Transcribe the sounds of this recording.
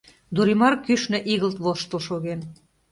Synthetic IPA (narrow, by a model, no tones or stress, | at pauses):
d̪uɾimɑrkyʃnɘ̆ʔiɣəlt̪βoʃt̪əlʃoɣen